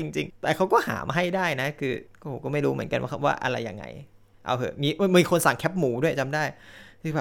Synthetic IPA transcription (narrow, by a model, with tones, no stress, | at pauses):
i˧ŋt͡ɕi˧ŋt̪ɛː˨˩kʰa˦˥wkɔː˥˩ha̰ː˩˦m˧ɦa˥˩jdaː˥˩jna˦˥kʰɯː˧kɔ˥˧˩ho˨˩kɔː˥˩ma˥˩jɾuː˦mɯ˨˩˦ənka˧nwa̰˥˩a˧˥˩wa̰ː˥˩ʔa̰˧ɾa˧jːa̰ː˨˩ŋːa̰˧j | ʔa̰˧˩whʰɤː˧˩miː˧˩miː˧kʰo˧nsa˨˩˦ŋkʰɛ˦˥p̚muː˩˦du˥˩əjt͡ɕa˧mdaː˥˩jkʰɯː˧˩bɛː˨˩